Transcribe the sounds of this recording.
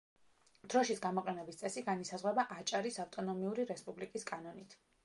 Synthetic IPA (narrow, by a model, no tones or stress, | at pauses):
d̪̥ɾɔʃitsɡamɔqʼɛnɛbist̪sʼɛsiɡanisazʁwɛbaʔat͡ʃʼaɾisaft̪ʼɔnɔmiuɾiɾɛspʼublikʼiskʼanɔnit̪ʰ